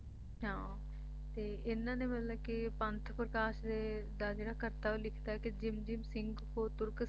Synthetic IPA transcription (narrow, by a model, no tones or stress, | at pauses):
ɦãː | t̪eːɪnːãːd̪eːmət̪ləbkɪpənt̪ʰpɾəkaːʃd̪ed̪aːd͡ʒeːɽaːkəɾt̪aːoːlɪkʰd̪aːɦɛːkɪd͡ʒɪmd͡ʒɪmsɪŋɡkoːt̪ʊɾk